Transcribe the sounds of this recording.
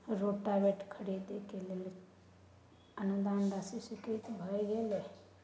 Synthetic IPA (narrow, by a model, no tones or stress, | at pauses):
ɾoʈabeʈkʰəɽid̪ekelele | ənud̪and̪asisiket̪bʱəeɡele